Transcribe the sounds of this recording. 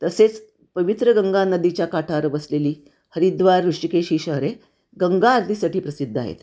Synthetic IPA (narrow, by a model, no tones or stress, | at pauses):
t̪əset͡s | pəʋit̪ɾəɡəŋɡanəd̪it͡ɕjakaʈʰaɾʋəsleliː | həɾid̪ʋaɾːuʂʈikeɕiɕəɦɾe | ɡəŋɡaːɾd̪ʱisaʈiːpɾəsid̪ʱːa̰ɦḛt̪